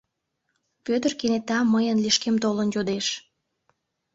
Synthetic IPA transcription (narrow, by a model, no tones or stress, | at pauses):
pøt̪ərkenet̪ɑməjənliʃkemt̪olənjod̪eʃ